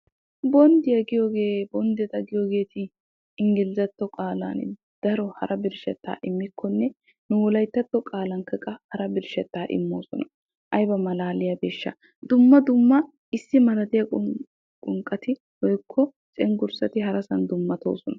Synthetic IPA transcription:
bɔnd̪ɪjɐɡɪjoːɡeːbɔnd̪ɛt̪ɐɡɪjoːɡe̞ːt̪ɪ | ɪŋɡɪlɪzɐt̪ːɔkʼaːla̰n | d̪̥ɐɾɔhɐ̰ɾɐbɪɾʃɛ̰t̪ːa̰ːʔɪmːɪkʰːɔnːɛ | nʊwɔlɐjt̪ːɐt̪ːɔkʼaːlɐŋkɐkʼɐhɐɾɐbɪɾʃɛt̪ːaːʔɪ̰mːoːsɔnɐ | ʔɐjbɐmɐlaːlɪjɐbeːʃːɐ̰ | d̪ʊmːɐd̪ʊmːɐ | ɪsːɪmɐlɐt̪ɪjɐ | kʼʊŋkʼːɐt̪ɪ | hɔjkʰːɔ | t͡ʃʼɛŋɡʊɾsɐt̪ɪɦɐɾɐsɐnd̪ʊmːɐt̪o̰ːsɔnɐ

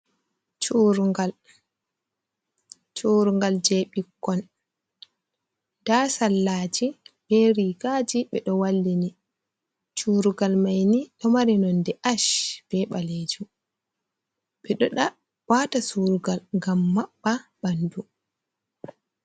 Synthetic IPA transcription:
t͡ʃuɾuɡal | t͡ʃuɾuŋɡald͡ʒɛɓikːɔn | dasalːaːd͡ʒib̥ɛɾiɡad͡ʒiɓɛɗɔwalːini | t͡ʃuːɾuɡalmajniɗɔmaɾinɔndɛʔaʃb̥ɛɓaled͡ʒu | ɓɛɗɔɗa | waːtasuɾuɡalŋɡamːaɓːabandu

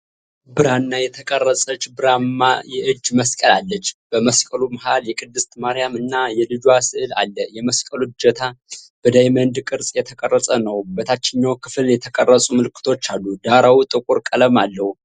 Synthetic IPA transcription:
bɨɾanːajɛt̪ʰəkʼərːəsʼət͡ʃːbɨɾamːa̰jɛʔɨd͡ʒːməskʼəlalːət͡ʃːb̥əməskʼəluməɦaljɛkʼɨd̪ːɨst̪maɾijamɨnːajɛlɨd͡ʒuasɨʔɨla̰lːəjɛməskʼəlud͡ʒət̪ʰab̥ɨd̪ajmənd̪kʼɨɾsʼjɛt̪ʰəkʼərːəsʼənəwbət̪ʰat͡ʃːɛɲːawkʰɨfɨljɛt̪ʰəkʼərːəsʼuməlɨkʰːɨt̪ʰo̞t͡ʃːalːud̪aɾawut̪ʼɨkʼuɾkʼələmalːəhu

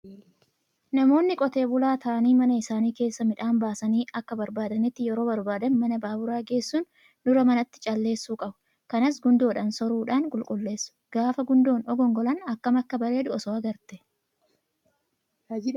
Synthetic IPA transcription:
nɐmo̞ːnːɪkʼɔt̪e̞ːbʊlaːt̪ʰɐʔɐniːmɐnɐɪsaːniːke̞ːsːɐmɪᶑaːnbaːsɐniːʔɐkːɐbɐɾbaːd̪ɐnɪt̪ːɪjɛɾo̞ːbɐɾbaːd̪ɐnmɐnɐbaːbʊɾaːɡe̞ːsːuːn | d̪̥ʊɾɐmɐnɐt̪ːɪ̥t͡ʃʼɐlːe̞ːsːuːkʼɐbʊ̥ | kɐnɐs̬ɡʊnd̪o̞ːᶑɐnsɔɾuːᶑaːnkʼʊlkʼʊlːe̞ːsːʊ̥ɡ̥aːfɐɡʊnd̪o̞ːnɔɡɔŋɡɔlɐnɐkːɐmɐkːɐbɐɾe̞ːd̪ʊɔsɔɐɡɐɾt̪ɛ̥

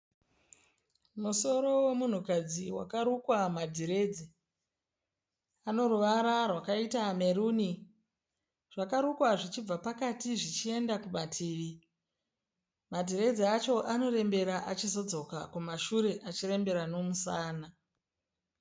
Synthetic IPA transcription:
muso̞ɾo̞wemun̤ukad͡ziwa̰kaɾukwamadʱiɾe̞ːd͡ze | ano̞ruʋaɾarwakaitame̞ɾuːni | ʐ̥akaɾukwaʐit͡ʃib͡vapakatiʐit͡ʃie̞ndakumatʰiːʋi | madʱiɾe̞d͡zeat͡ʃo̞ʔano̞ɾe̞mbe̞ɾaʔat͡ʃizo̞d͡zo̞ka̰kumaʃuɾe̞ʔat͡ʃiɾe̞mbe̞ɾano̞musaːna

